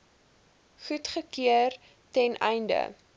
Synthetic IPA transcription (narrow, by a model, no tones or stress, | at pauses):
χutχəkiər | tɛnʔɛjndə̰